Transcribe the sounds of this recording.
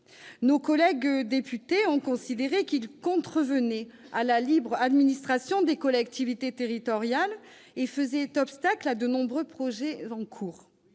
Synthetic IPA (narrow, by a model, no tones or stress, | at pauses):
nokɔlɛɡd̪epyt̪eɔ̃kɔ̃sid̪eʁekilkɔ̃t̪χəvənɛalalibʁad̪minist̪χasjɔ̃d̪ekɔlɛkt̪ivit̪et̪eʁit̪ɔʁjal | efəzɛt̪ɔpst̪aklad̪ənɔ̃bʁøpχɔʒɛɑ̃kʰuːʁ